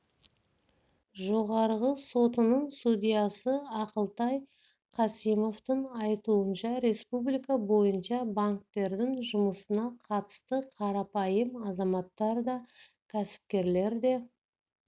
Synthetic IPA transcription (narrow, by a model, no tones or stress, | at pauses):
ʒo̞ʁɑɾʁəso̞t̪ənəɴst̪ud̪ʲijɑsəɑqəlˠt̪ɑj | qʰɑsijmo̞ft̪əɴɑjt̪uənʃɑɾe̞spublijkɑbo̞jənʃɑbaŋk̚t̪e̞ɾd̪ɪŋʒʊməsənɑqʰɑt̪ə̥st̪əqʰɑɾɑpɑjəmɑzɑmɑt̪ːɑɾd̪ɑ | kʲʰæsɪ̥p̚kʲe̞ɾle̞ɾd̪e̞